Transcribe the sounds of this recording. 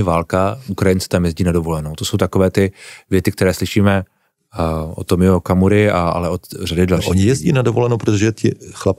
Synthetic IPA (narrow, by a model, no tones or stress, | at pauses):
ɪvaːlkaukɾajɪnt͡sɛ̥t̪amjɛzɟiːnadovolɛnowt̪osowt̪akovɛːt̪ɪvjɛt͡sɪk̚t̪ɛɾɛːslɪʃiːmɛ | ʔo̰t̪ːomɪokamuɾɪaa̰lɛʔot̪radɪdlʃʔoɲɪjɛzɟiːnadovolɛnowpɾot̪oʒɛt̪ɪxlap̚